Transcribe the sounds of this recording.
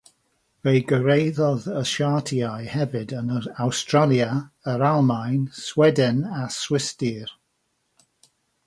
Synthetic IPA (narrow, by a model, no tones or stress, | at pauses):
vejɡəɾejðɔðəʃatʰiajhɛvɨdənəawstɹalˠjaəɾalˠmajnswɛdɛnaswɪstir